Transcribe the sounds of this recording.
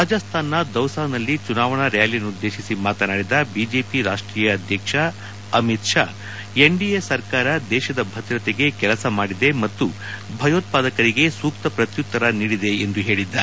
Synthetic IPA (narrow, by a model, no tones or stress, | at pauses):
ɾaːd͡ʒɐst̪ʰaːnːɐd̪ɐwsaːnɐlːit͡ʃunaːʋɐɳɐɾɛjaːlijɐnːud̪ːe̞ːʃisimaːt̪ɐnaːɽid̪ɐbiːd͡ʒe̞ːpiɾaːʂʈɾiːjɐːd̪ʱjɐkʂɐ | ɐmit̪ʂa̰ː | eɳɖijesɐɾkaːɾɐd̪ɛːʃɐd̪ɐbʱɐt̪ɾɐt̪eɡe̞kɛlɐsɐmaːɽid̪e̞mɐt̪ːu | bʱɐjoːt̪̚paːd̪ɐkɐɾiɡe̞suːkt̪ɐpɾɐt̪jut̪ːɐɾɐniːɽid̪e̞ːnd̪uɦe̞ːɭid̪ːa